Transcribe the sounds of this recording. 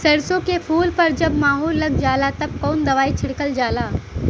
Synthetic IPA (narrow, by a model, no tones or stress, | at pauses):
sɐɽsõkepʰuːlpɐɾd͡ʒɐbmaːɦoːlːɐɡ̚d͡ʒaːlat̪ɐb̚kɔːnd̪ɐʋaːit͡ʃʰɪɽkəld͡ʒaːlaː